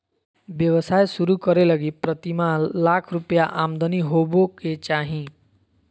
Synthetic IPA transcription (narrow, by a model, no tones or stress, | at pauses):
bjʌwəsajsuɾukʌɾelʌɡipɾʌt̪imalakʰɾupjaʔamd̪ʌniɦoboket͡ʃaɦĩ